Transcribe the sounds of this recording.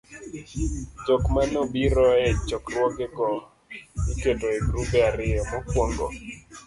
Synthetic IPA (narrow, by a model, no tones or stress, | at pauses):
t͡ʃɔkmanobiɾɔɛt͡ʃɔkrwɔkɛkɔ | ikedoeɡɾupɛaɾɪjɔmɔkwoŋɡɔ̰